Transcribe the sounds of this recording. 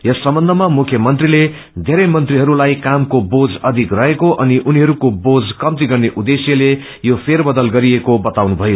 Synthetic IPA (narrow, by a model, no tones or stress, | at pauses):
jʌsːʌmbʌnd̪ʱʌmamukʰjʌmʌnt̪rile | d̪ʱeɾʌjmʌnt̪riɦʌɾulajkamkobod͡zʌd̪ʱikrʌɦekoʔʌniʔuniɦʌɾukobod͡zkʌmt̪iɡʌrneʔud̪esjʌle | jopʰerbʌd̪ʌlɡʌɾiekobʌt̪awnubʱʌjo